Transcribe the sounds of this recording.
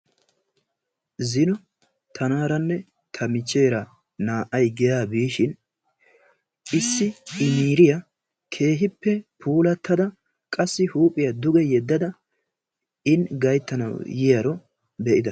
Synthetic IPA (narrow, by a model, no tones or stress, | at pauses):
zɪnɔ | t̪ʰɐnaːɾɐnːɛ | t̪ʰɐmɪt͡ʃːe̞ːɾɐ | naːʔɐjɡɛjaːbiːʃɪn | ʔɪsːɪɪmiːɾɪjɐ | kʰe̞ːɦɪpːɛpʰuːlɐt̪ʰːɐd̪ɐ | kʼɐsːɪhuːpʼːɪjɐd̪ʊɡɛjɛd̪ːɐd̪ɐ | ɪnɡɐjt̪ːɐnɐ̰wjɪjɐɾɔ | bɛʔɪd̪ɐ